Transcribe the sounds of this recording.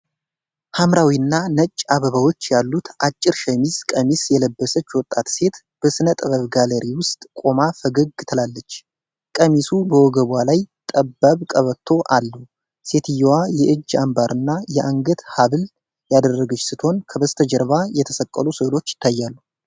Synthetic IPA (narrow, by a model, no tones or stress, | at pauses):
hamɾawiɨnːanət͡ʃʼːaβəβawo̞t͡ʃːjalːut̪ʰʔat͡ʃʼːɪɾʃɛmizkʼəmisjɛləbːəsət͡ʃːwɔt̪ʼːat̪se̞t̪ | b̥əsɨnət̪ʼəβəβɡaləɾʔiwʊst̪ʼkʼo̞mafəɡəɡɨt̪ʰəlalːət͡ʃː | kʼəmisubəwɔɡəβʷalajt̪ʼəbːaβkʼəβət̪ʰːo̞ʔalːu | se̞t̪ʰɨjwajɛʔɨd͡ʒːambaɾʔɨnːajɛʔaŋɡət̪haβɨl | jad̪ərːəɡət͡ʃːsɨt̪ʰo̞nkʰəbəst̪ʰəd͡ʒəɾβajɛt̪ʰəsəkʼːəlusɨlo̞t͡ʃːjɪ̥t̪ʰːajːalːu